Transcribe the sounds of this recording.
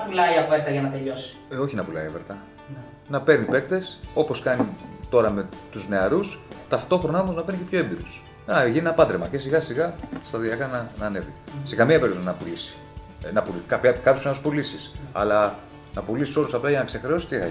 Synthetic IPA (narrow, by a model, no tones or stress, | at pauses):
nɐpulɐiɐveɾt̪ɐʝɐnɐt̪e̞ʎo̞si̥o̞çinɐpulɐ̰ḭeveɾt̪ɐ | nɐpe̞ɾnipe̞kt̪e̞so̞po̞skɐnit̪o̞ɾɐme̞t̪uzne̞ɐɾust̪ɐft̪o̞xɾo̞nɐomoznɐpenicepço̞embiɾus | ɐʝinenɐpɐd̪ɾemɐce̞siɣɐsiɣɐst̪ɐðiɐkɐnɐnɐːne̞vise̞kɐmiɐpeɾiot̪nɐpulisi̥ | nɐpulikɐçɐkɐpçosinospolisisɐ̰lɐ | nɐpulisiso̞lusɐplɐʝɐnɐkse̞xɾeo̞si̥t̪iɣɐ̰